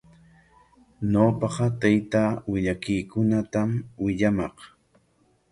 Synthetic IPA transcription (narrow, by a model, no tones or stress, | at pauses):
ɲoːpɑqɑt̪ajt̪awɪʎakijkʊnat̪amwɪʎamɑq